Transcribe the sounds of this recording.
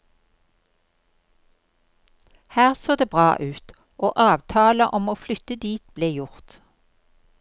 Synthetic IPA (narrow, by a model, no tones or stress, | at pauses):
hæːʁsoːd̪eːbʁɑːʔʉːt̪ | ʔoːʔɑːʋt̪ʰɑːləʔɔmoːflʏt̪əd̪iːt̪̚bleːjʊʁt̪